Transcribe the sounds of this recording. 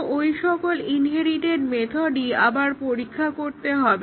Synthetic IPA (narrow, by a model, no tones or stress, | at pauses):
ojʃɔkolinɦeɾiʈeɖmet̪ʰoɖiabaɾpoɾikʰːakoɾt̪eɦɔbe